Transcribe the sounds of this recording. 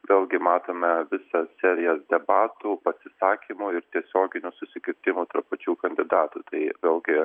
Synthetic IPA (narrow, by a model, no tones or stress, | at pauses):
ʋʲeːlˠɡʲɪmɑːt̪oːmʲɛʋʲɪsɐsʲæːɾʲɪjɛsd̪ʲɛbɑːt̪uːpɐsʲɪsɑːkʲiːmʊɪɾt̪ʲiɛsʲoːɡʲɪnʲusʊsʲɪkʲɪɾʲt̪ʲɪmuːt̪ɐrppɐt͡ʃʲuːkɐnʲd̪ʲɪd̪ɑːt̪ut̪ɐɪʋʲeːlˠɡʲɪ